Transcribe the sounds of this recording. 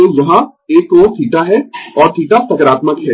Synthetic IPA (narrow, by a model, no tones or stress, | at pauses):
oʋɐɦã | eːkoːt̪ʰiːʈaɦɛɔːɾt̪ʰiːʈapɐkɾaːt̪məkɦɛ